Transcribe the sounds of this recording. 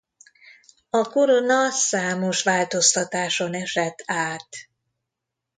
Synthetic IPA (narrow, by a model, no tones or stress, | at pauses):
ɒko̞ɾonɒsaːmo̞ʃʋaːlt̪o̞st̪ɒt̪aːʃo̞nɛʃɛt̪ʰːaːt̪